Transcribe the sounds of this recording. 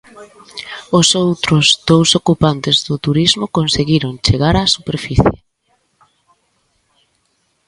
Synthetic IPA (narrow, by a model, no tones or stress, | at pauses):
ʊsowt̪ɾʊzd̪owsokupant̪ɪzðʊt̪uɾizmʊkonseɣiɾʊnt͡ʃeɣaɾasupeɾfiθjḛ